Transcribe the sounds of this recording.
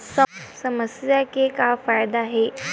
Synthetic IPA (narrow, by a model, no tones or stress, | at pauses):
səsəməsjakekafajd̪aɦe